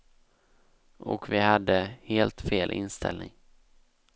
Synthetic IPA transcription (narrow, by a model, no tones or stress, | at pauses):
ʔɔ̰kvɪhad̪ːəheːlt̪feːlʔɪ̰nst̪ʰɛ̰lnɪŋ